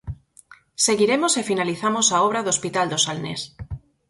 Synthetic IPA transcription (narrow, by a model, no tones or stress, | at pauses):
seɣiɾemo̞sefinaliθamosaoβ̞ɾaðospit̪ald̪osalnḛs